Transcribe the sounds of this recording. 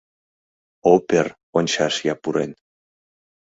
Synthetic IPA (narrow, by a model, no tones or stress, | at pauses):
opeɾ | onʲʃasjapuɾḛn